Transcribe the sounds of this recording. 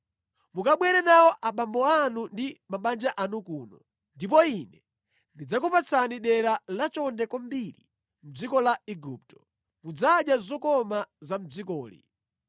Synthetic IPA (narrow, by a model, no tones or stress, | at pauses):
mukaɓwɛɾɛnawɔʔaɓambɔanundimaɓand͡ʒaʔanukuːnɔ | ndip̬ɔinɛ | ndid͡zakɔpat͡sʰaniɗɛɾalat͡ʃɔndɛkɔmbilḭ | m̩d͡zikɔlaiɡup̚tɔ̥ | mud͡zaɗjazɔkɔmazam̩d͡zikɔːlḭ